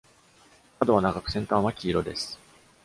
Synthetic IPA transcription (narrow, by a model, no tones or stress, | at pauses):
kad̪o̞βanaɡakɯ̟̥sẽnt̪ãːβakʲiːɾo̞d̪e̞sɨ̥